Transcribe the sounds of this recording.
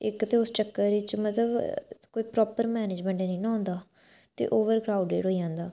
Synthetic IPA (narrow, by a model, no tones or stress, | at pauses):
ɪkt̪eːʊst͡ʃəkːəɾɾiːt͡ʃmət̪ləbkoːiːpɾɔːpəɾmɛːneːd͡ʒmɛ̃ːɳʈɛːnĩːnaːɦõːnd̪aː | t̪ḛːʔoːʋəɾɡɾaːuɖḛːɖɦoːijãːnd̪aː